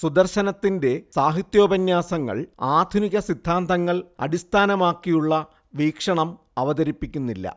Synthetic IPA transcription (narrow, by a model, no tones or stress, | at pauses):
sud̪ɐrɕɐnɐt̪ːinde̞saːɦit̪jo̞ːbɐnjaːsɐŋːɐ̰ɭaːd̪ʱuniɣɐsid̪ʱːaːnd̪ɐŋːɐɭɐ̰ɽist̪ʰaːnɐmaːkːijuɭːɐ | ʋiːkʂɐɳɐm | ɐʋɐðɐɾipːikʲːunːilːɐ̰